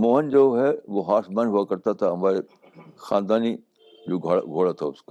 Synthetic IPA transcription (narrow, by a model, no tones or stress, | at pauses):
moːɦənd͡ʒoːɦɛʋoɦaːsmaːnɦuakɐɾt̪at̪ʰaɦɐmaːɾe | xaːnd̪aːni | d͡ʒoːɡʱɡʱoːɽat̪ʰaʊsko